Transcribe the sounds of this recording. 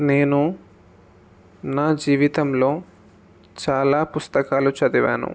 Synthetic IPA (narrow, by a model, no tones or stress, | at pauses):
ne̞ːnu | naːd͡ʒiːʋit̪ɐmlo̞ː | t͡ʃaːlaːpust̪ɐkaːlut͡ʃɐd̪iʋa̰ːnṵ